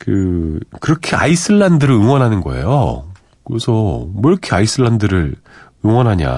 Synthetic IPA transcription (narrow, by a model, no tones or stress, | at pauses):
kɯkɯɾʌkʰe̞a̰isʰɯɭːandɯɾɯɭɯŋwʌnɦanɯnɡʌ̰e̞̰jo̰ | kɯesʰʌmwʌɾʌkʰeaisʰɯɭːandɯɾɯɾ | ɯŋwʌnɦaɲa̰